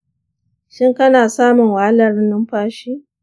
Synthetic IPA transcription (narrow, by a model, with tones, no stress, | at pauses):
ʃɪ˦ŋkɐ˦naː˨saː˦mʊ˨ŋwa˨a˦lɐ˨rnɪ˦mɸaː˦ʃiː˦